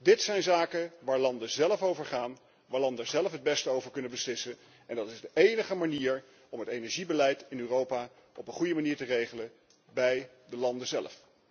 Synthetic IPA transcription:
dɪtsɛjnzaːkəʋaːɹlɑndəzɛləfowvəɹχaːn | ʋaːɹlɑndəzɛləfɦəd̚bɛstəowvəɹkɵnənbəslɪsə | ɛndɑtɪzdəʔejnəχəmaniːɹ | ɔmɦətejnɛɹʒibəlɛjtɪnyːrowpaː | ɔpənχujəmaniːɹtərejχələ | bɛj | dəlɑndəzɛlf

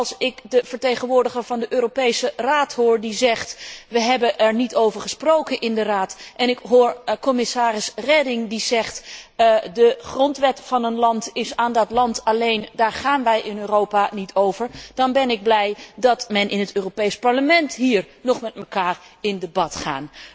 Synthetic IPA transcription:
ɑlˠsɪkdəv̥əɹtejχənʋʊːɹdəχəɹvɑndəʔøːropejsəraːtɦʊːɹdizɛχtʋəɦɛbəʔɛɹnitowvəɹχəsprowkənʔɪndəraːtʔɛnɪkɦʊːɹkɔmɪsaːɾɪsrɛdɪŋdizɛχt | dəχrɔntʋɛtfɑnənlɑntɪsaːndɑtlɑntɑlejndaːɹχaːnʋɛjʔɪnøːrowpanitʰowvəɹd̥ɑnbɛnɪɡ̚blɛjdɑtmɛnʔɪnətøːropejspɑɹləmɛntɦiːɹnɔχmɛtməkaːrɪndəbɑtχa̰ːn

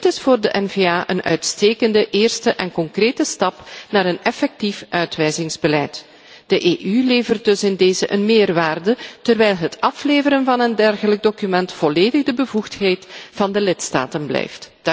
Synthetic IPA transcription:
dɪtɪsfoːrdəʔɛnveːaːʔə̰nœ̰ɥtsteːkəndəʔeːrstəʔɛnkɔŋkreːtəstɑpnaːɾənɛfɛk̚tifʔœɥtʋɛjzɪŋzbəlɛjt | d̥əʔeːʔyleːvərt̚dɵsɪndeːzəʔənmeːrʋaːrdətərʋɛjlˠɦətɑfleːvəɾənvɑnəndɛrɣələɡ̚dokymɛntfɔleːdəɣdəbəvuxtɦejtv̥ɑndəlɪtsta̰ːtənblɛ̰jftd̥

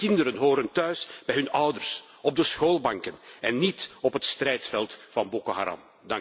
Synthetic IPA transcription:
kɪndəɾənɦoːɾəntœɥsb̥ɛjɦɵnɑwdərs | ɔb̚dəsxoːlˠbɑŋkənɛnːitɔpɦətstrɛjtfɛlˠtfɑnbokoɦa̰ɾɑ̰m | dɑŋ

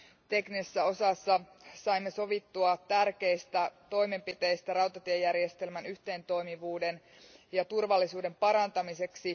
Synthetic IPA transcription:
t̪e̞knisesːæo̞sɑsːɑ | sɑimːeso̞ʋit̪ːuɑt̪ærke̞ist̪æt̪o̞jme̞mpit̪e̞ist̪ærɑwt̪ɑt̪iejːærjest̪e̞lmænyht̪e̞ːnt̪o̞imiʋuːde̞n | jɑt̪urʋɑlːisuːde̞mpɑɾɑnt̪ɑmise̞ksi

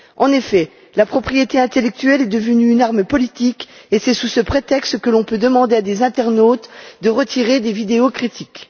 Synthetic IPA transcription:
ɑ̃nefɛ | lapχɔpχijet̪eɛ̃t̪elɛk̚t̪yɛlɛd̪əvənyːnaʁməpɔlit̪ikesɛsusəpχet̪ɛkst̪kəlɔ̃pød̪əmɑ̃d̪ead̪ezɛ̃t̪ɛʁnot̪d̪əʁət̪ʰiʁed̪evid̪eokχit̪ʰik

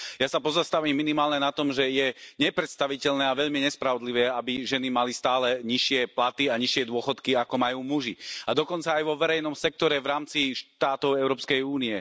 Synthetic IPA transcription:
jasapɔzast̪aʋiːmːinimaːlɲɛnat̪ɔmʒɛjɛɲɛpɾɛt̪st̪aʋicɛʎnɛːaʋɛʎmiɲɛspɾaʋɔd̪liʋɛːabiʒɛnimalist̪aːlɛɲiʃɪɛplat̪iaɲiʃɪɛd̪ʊɔxɔt̪kiakɔmajuːmuʒiad̪ɔkɔnt͡saːjʋɔʋɛɾɛjnɔmsɛk̚t̪ɔɾɛvɾaːmt͡siʃtt̪aːt̪ɔʊɛʊɾɔːpskɛjuːniɛ

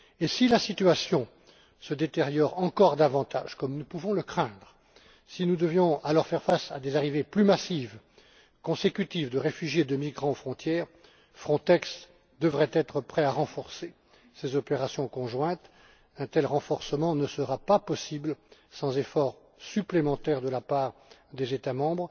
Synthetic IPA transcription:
esilasit̪yasjɔ̃ | səd̪et̪eʁjɔʁɑ̃kɔʁd̪avɑ̃t̪a̰ʒ̥kɔmnupuvɔ̃ləkχɛ̃d̪ʁə | sinud̪əvjɔ̃alɔʁfɛʁfasa̰d̪ezaʁiveplymasiv | kɔ̃sekʲyt̪ivd̪əʁefyʒjed̪əmiɡʁɑ̃fχɔ̃t̪jɛːʁ | fχɔ̃t̪ɛks | d̪əvʁɛt̪ɛt̪χəpχɛaʁɑ̃fɔʁse | sezɔpeʁasjɔ̃kɔ̃ʒwɛ̃t̪ | ɛ̃t̪ɛlʁɑ̃fɔʁsəmɑ̃nəsəʁapapɔsiblsɑ̃zefɔʁ | syplemɑ̃t̪ɛʁd̪əlapaʁd̪ezet̪amɑ̃bʁ

